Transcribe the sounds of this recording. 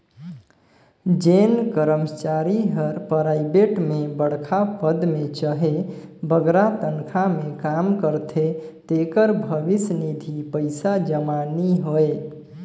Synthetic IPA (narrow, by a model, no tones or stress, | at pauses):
d͡ʒenkəɾəmt͡ʃaɾiɦəɾpəɾaibeʈmebəɽ̤kʰapəd̪met͡ʃəɦebəɡɾat̪ənkʰamekamkəɾt̪ʰet̪ekəɾbʱəʋisnid̪ʱipəɪsad͡ʒəmaniɦoe